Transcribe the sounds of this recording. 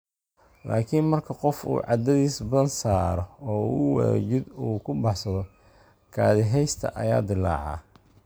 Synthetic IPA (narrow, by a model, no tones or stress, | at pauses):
laːkʰinmɐrkʰɐqɔfṵːʕɑ̰d̪ɐðiːsbɐðɐnsaːɾɔɔːwɛ̰t͡ʃɪd̪uːkʰʊbɑħsɐðɔ | kʰaːðɪɦɛjst̪ʰɐ̰ʔɐ̰ja̰ːd̪ɪlːɑ̰ːʕɑ̰ː